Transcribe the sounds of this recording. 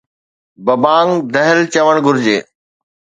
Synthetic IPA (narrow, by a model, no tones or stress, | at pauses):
bɐbaːŋd̪ɐɦɪlt͡ɕɐʋəɽ̃ɡʊɾd͡ʑeː